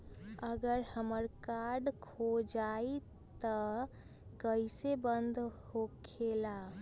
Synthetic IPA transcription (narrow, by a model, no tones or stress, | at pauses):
əɡəɾhəməɾkaɾɖkʰod͡ʒai | t̪ə | kəisebənd̪ʱhokʰela